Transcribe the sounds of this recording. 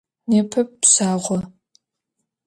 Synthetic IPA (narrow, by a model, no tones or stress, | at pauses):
neːpʰɐp̚ːsaːʁʷɔ